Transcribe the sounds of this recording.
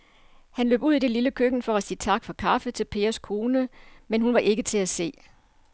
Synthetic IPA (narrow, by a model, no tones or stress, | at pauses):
hænlø̰ːb̥uð̰ˠid̥e̝liləkʰøɡ̥n̩fɒ̽æsiːt͡sʰɑ̈ɡ̥fɒ̽kʰɑ̈fət͡sʰe̝lpʰe̝ːɐskʰo̝ːnəmenhunʋɑ̈ʔe̝ɡ̥ət͡sʰe̝æse̝̰ː